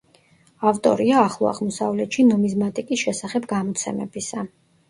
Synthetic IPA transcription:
aft̪ʼɔ̰ɾiaːχlˠɔa̰ʁmɔsavlɛt̪ʃinɔmizmat̪ʼikʼisʃɛsaχɛbɡamɔt̪sʰɛ̰mɛ̰bisa

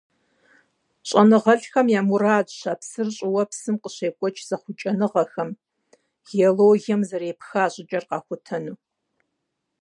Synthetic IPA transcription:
ɕʼɐnɨʁɐɬxɐmjaːmuraːdɕaːpsɨrɕʼɪwɐpsɨmqəɕeːkʷʼɔt͡ʃʰz̥ɐχʷʊt͡ʃʼɐnɨʁɐxɐm | ɣ̥eoloːɣɛmzɐreːpxaːɕʼɪd͡ʒʼɐrqɑːxʷʊtʰɐnuː

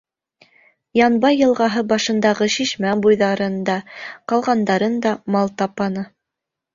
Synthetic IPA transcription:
jɑnbɑjːɤ̆lˠʁɑɦɤbɑʃɤ̆nd̪ɑʁɤʃiʃmæbujðɑɾɤnd̪ɑqɑlˠʁɑnd̪ɑɾɤnd̪ɑmɑlˠt̪ɑpɑnɤ

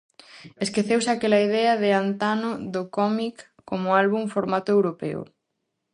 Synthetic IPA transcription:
eskeθewsakelɐið̞ɛɐðɪant̪anʊðokɔmikː | omʊalβuɱfoɾmat̪ʊewɾopɛ̰o̰

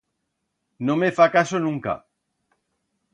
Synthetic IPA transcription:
nõmefakasonũŋka̰

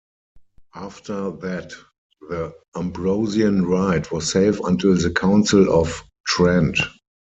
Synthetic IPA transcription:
ʔaftə˞ðæt | ðə | ãmbɹoʊziə̃nɹaɪtʰwɔsseɪfã̰ntʰɪlðəkʰãʊ̃nsɪlɔf | tʰɹɛ̃nt

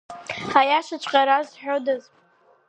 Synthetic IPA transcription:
ajaʃat͡ʃʷʼqʼaɾazħᶣodaz

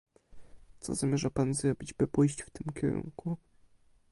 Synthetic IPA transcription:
t̪sɔ̰zamʲjɛʐapanzɾɔbʲid͡ʑbɘpujɕt͡ɕft̪ɘmkʲʰɛ̰ɾṵŋku

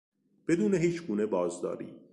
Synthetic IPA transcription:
b̥ed̪uːneɦiːt͡ʃʰɡuːne̞bɒːzd̪ɒ̰ːɾḭː

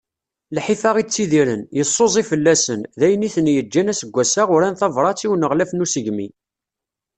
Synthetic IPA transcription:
lħifɑʁit͡sːiðiɾənjəsˤːozˤifəlːæsənðæjəniθənjəd͡ʒːænæsəɡʷːæsaʁʊɾænθɑvɾˤɑt͡sːiwənəʁlæfnusəʝmḭ

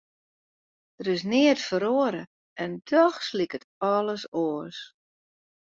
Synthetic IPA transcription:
d̥əɾɪs̬nɪətfəɾoəɾə | ɛndɔxslikətɔləsoəs

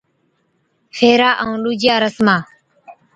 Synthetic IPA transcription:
fʰeːɾaːʔəũːluːd͡ʒjaːɾəsmaː

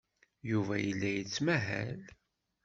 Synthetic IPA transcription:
juvæjəlːæjət͡sːmæɦæ̰l

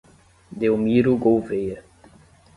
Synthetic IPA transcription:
d̪ewmiɾuɡowvejɐ

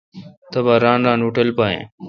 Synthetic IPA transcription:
t̪əbaːɾãːnɾãːnʊʈəlpaːḛ̃ː

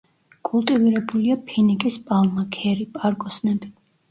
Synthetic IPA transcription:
kʼulˠt̪ʼiviɾɛbuliapʰinikʼispʼalˠmakʰɛɾipʼaɾkʼɔsnɛbi

